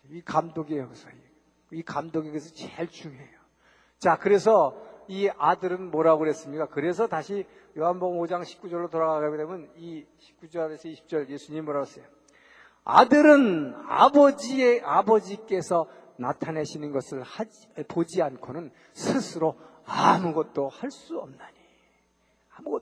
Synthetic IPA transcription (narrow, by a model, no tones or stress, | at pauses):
ikamdoɡejokɯsʰʌ | ikamdoɡeɡɯs̬ʰʌt͡ɕeɭt͡ɕuŋjoɦejo | t͡ɕakɯɾe̞s̬ʰʌiadɯɾɯnmʌɾaɡoɾɦe̞s͈ɯmɲik͈akɯɾe̞sʰʌtaɕʰi | joɦanbʌɡɯmod͡ʑaŋɕʰi̥p̚k͈ud͡ʑʌɭːotoɾaɣaɡɡaɡedemjʌni | ɕʰi̥p̚k͈ud͡ʑʌɾesʰʌiɕʰi̥p̚t͡ɕ͈ʌɭje̞sʰuɲimimʌɾaɡʌs͈ʌjo | a̰dɯɾɯna̰bʌd͡ʑieabʌd͡ʑik͈e̞sʰʌ | natʰaneɕʰinɯnɡʌsʰɯɭha | pod͡ʑiankʰonɯn | sʰɯsʰɯɾo | amuɡʌt̚t͈ohaɭs͈uʌmnaɲi | amuɡʌ